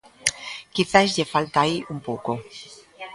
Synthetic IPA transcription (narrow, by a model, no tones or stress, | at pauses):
kiθazʎefalt̪aiʔumpowko